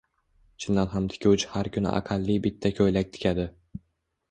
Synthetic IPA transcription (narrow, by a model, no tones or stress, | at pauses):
t͡ʃʰɪnd̪anɦamt̪ʰɪ̥kʲʰʊwt͡ʃʰɪ̥haɾkʰʲʊnɪ̰ʔa̰qʰɑlːɪbɪt̪ʰːakʲʰojlak̚ʲt̪ʰɪ̥kʲʰad̪ɪ